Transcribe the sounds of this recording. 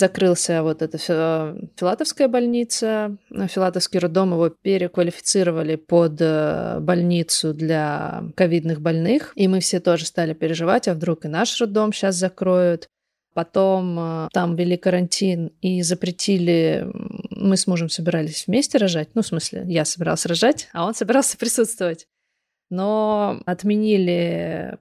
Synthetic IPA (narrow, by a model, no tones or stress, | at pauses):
zɐkɾɨlˠsʲəvo̞t̪ɛt̪əfʲfʲɪlˠat̪əfskəjəbɐlʲnʲit̪səfʲɪlˠat̪əfskʲijɾʊd̪ːo̞mjəvo̞pʲɪɾʲɪkvəlʲɪfʲɪ̥t̪sɨɾəvəlʲɪpod̪əbɐlʲnʲit̪sʊd̪lʲakɐvʲid̪nɨxbɐlʲnɨximɨfsʲe̞t̪o̞ʐɨst̪alʲɪpʲɪɾʲɪʐɨvatʲɐvd̪ɾukɨnaʂrʊd̪ːo̞mɕas̬zɐkɾo̞jʊt̪ | pɐt̪o̞mt̪amvʲɪlʲikəɾɐnʲtʲinizəpɾʲɪtʲʰilʲɪ | mɨsmuʐəmsəbʲɪɾalʲɪsʲvmʲesʲtʲɪɾɐʐatʲnufsmɨsʲlʲɪ̰jasəbʲɪɾa̰lˠsʲrɐʐatʲɐo̞nsəbʲɪɾalˠsʲə̥pɾʲɪsut̪st̪vəvətʲ | no̞ɐt̪mʲɪnʲilʲɪ